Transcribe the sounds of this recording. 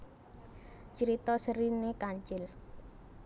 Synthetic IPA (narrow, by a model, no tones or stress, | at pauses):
t͡ʃəɾit̪ɔsəɾinekaɲt͡ʃɪl